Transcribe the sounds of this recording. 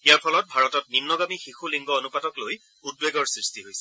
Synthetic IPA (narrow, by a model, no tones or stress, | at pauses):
ijaɹpʰɔlɔt̚bʱaɹɔtɔt̚nimnɔɡamixixuliŋɡɔonupatɔkloj | ud̚beɡɔɹsɹistiɦojsɛ̥